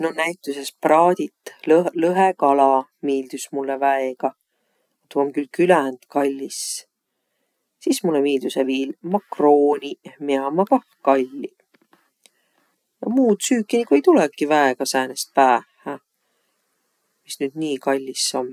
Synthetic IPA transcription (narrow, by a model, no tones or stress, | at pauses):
no̞næjt̪ːˑuse̞sprɑːd̪̥it̪ˑːllɤɦekɑlɑmiːld̪̥usmulːevæeɡ̥ɑ | ɑt̪uomkylkylænd̪̥kɑlʲːis | sismulːemiːld̪̥useviːlmɑkroːnʲimeɑmɑɡɑ | kɑlʲːi | jɑmuːt̪syːkːˑinikujt̪ulɛkːivæeɡ̥ɑsæːnest̪̚pæːhæ | misnyːd̪̥niːkɑlʲːisːo̞m